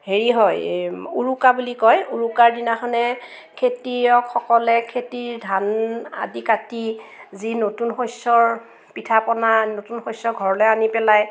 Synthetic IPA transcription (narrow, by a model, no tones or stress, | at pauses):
heɹiɦɔjuɹukabulikɔjuɹukaɹdinaxɔnɛ | kʰetiɔkxɔkɔlɛkʰetiɹdʱana̰dikatizinotunxojsɔɹ | pitʰapɔnanotunxojsɔɡʱɔɹɔlɔjanipɛlaj